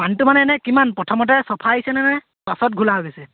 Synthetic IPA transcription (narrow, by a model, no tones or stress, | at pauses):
mantumanɛnɛkimanpɹɔtʰɔmɔt̬ɛsɔpʰaisɛnɛnɛ | pasɔt̚ɡʱulaɦoɡɛsɛ